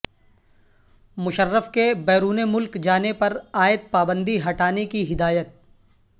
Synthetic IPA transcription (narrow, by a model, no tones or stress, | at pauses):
mʊʃəɾːəfkebɛːɾuːnemʊlkd͡ʒaːnepɐɾaːjɪt̪̚paːbə̃nd̪iɦɐʈaːnekiɦɪd̪aːjət̪̚